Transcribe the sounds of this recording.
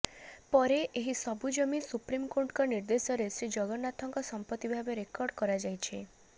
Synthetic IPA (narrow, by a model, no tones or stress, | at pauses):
pɔɾeʔeɦisɔbud͡ʒɔminsupɾimkoɾʈkɔniɾd̪esɔɾesid͡ʒɔɡɔnat̪ʰɔŋkɔsɔmpɔt̪ːibʱabeɾekɔɾɖkɔɾad͡ʒajt͡ʃʰe